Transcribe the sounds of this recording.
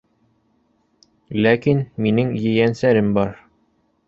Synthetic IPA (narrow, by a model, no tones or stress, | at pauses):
lækinminɘŋjɘ̆jænsæɾɘmbɒɾ